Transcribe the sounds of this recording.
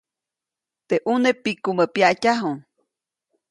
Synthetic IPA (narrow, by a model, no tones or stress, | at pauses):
t̪eʔunepikuməpjaʔcaɦuŋ